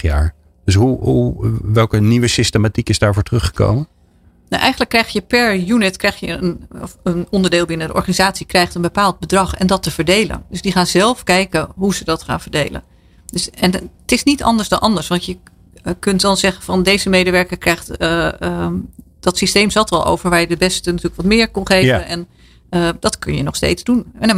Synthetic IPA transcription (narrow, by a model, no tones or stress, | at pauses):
ja̰ːɹ | dəs̬ɦuɦuʋɛlˠkəniʋəsɪstəmatikɪzdaːɹvʊːɹtərɵχə̥ko̰wmən | no̰ʔɛ̰jχənləkːrɛjχjəpɛɹjunɪtkrɛjχjəənənɔndəɹdeːlˠbɪnədə̰ʔɔ̰ɹχanizaːtsikrɛjχtənbəpaːlˠd̚bədrɑχɛ̰ndɑtəv̥əɹdejlə̰ndɵsdiχaːnzɛlˠfkɛjkənɦuzədɑtχa̰ːnvəɹdejlə̰n | dɵsɛntɪsnitɑ̰ndəɹzdɑnʔɑndəɹsʋɑntjə | kɵntdɑnzɛχənvɑndejzəmejdəʋɛɹkəɹkrɛjχtː | d̥ɑtsistejmzɑtɑ̰lˠʔo̰wvəɹʋaːɹjədəbɛstənatyːləkʋɑtmɪːɹkɔnχejvənɛn | dɑtkɵ̰njənɔχstḛjtzdun